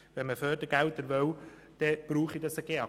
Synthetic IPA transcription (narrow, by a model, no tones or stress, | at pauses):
vɛnməfœːɾd̥əɡɛltəɾvœw | d̥ɛb̥ɾuːχidɑsəɡ̥eːɑ